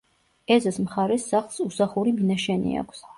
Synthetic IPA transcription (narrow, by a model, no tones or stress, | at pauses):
ɛzasmχaɾɛsːaχlˠsusaχuɾiminaʃɛnḭa̰kʷʰs